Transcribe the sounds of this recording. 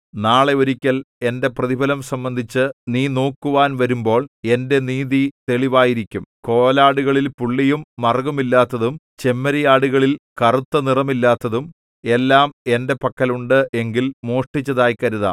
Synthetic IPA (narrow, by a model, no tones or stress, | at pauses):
naːɭe̞oɾikʲːɐle̞nde̞prɐðibʱɐlɐmsɐmbɐnd̪ʱit͡ɕːɨniːno̞ːkːuʋaːnʋɐɾumbo̞ːɭe̞nde̞niːðit̪e̞ɭiʋaːjiɾikʲːumko̞ːlaːɽuɣɐɭilpuɭːijumːɐrɡɐmilːaːt̪ːɐðum | t͡ɕe̞mːɐɾɐjaːɽuɣɐɭilkɐrut̪ːɐnirɐmilːaːt̪ːɐðum | e̞lːaːme̞nde̞pɐkːɐluɳɖɨʔe̞ŋɡilmoːʂʈit͡ɕːɐðaːjkɐɾuða̰